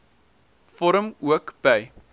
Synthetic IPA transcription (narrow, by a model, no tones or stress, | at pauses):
fɔɾəmuəkb̥ɛj